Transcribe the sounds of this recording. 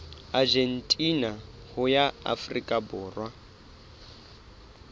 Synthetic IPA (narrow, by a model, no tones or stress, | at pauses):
ad͡ʒentʼina | hʊjaa̰frikʼabʊːrwa